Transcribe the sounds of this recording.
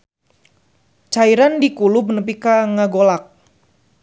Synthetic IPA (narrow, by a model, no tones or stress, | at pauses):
t͡ʃaiɾandikulub̚nəp̬ikaŋaɡolak̚